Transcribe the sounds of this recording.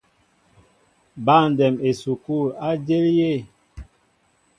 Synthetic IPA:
ba˦˨n˨dɛ˨me˨su˨ku˦˨a˦d͡ʒe˦lje˦˨

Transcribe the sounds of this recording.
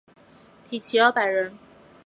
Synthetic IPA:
t̪ʰi˨˩t͡ɕʰi˨˧˥lɑ˧˥pa˨˩ɪɻə˧˥n

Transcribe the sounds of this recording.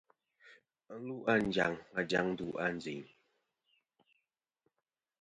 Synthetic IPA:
lu˦ʔa˦˨n̩˨d͡ʒa̰˨ŋma˨d͡ʒa˨˦ŋ˦du˦ʔa˦˨n̩˨d͡zi˨ɲ

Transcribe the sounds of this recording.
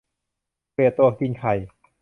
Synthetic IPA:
eː˨˩t̪ːu˧əkʰi˧nkʰa˨˩j

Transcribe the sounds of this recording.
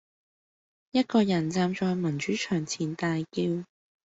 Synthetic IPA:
jɐ˥t̚kɔː˧jɐ˨˩nt͡saː˧mt͡ʃɔː˧jmɐ˨˩nt͡ʃyː˨˥t͡ʃʰœː˨˩ŋt͡sʰiː˨˩nt̪aː˨˧jkiː˧w

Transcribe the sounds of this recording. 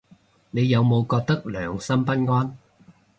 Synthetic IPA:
ne˨˧jːɐ˨˧wmo˨˧wkɔː˧k̚t̪ɐ˥k̚lœː˨˩ŋsɐ˥mpɐ˥n̚ŋɔː˥n

